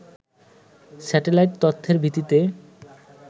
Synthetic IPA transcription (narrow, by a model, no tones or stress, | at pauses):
sɛʈelajʈ̚t̪ot̪ʰːeɾbʱit̪it̪e